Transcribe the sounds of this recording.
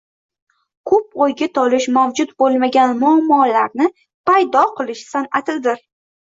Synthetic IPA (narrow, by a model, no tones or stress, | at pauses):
kʰɵp̚ojɡʲat̪ʰɒlɪʃmawd͡ʒʊt̪bolˠmaɡʲanmʊamːɒlaɾnɪ | pajd̪ɒqʰɨlˠɪʃsanat̪ʰɪd̪ɪɾ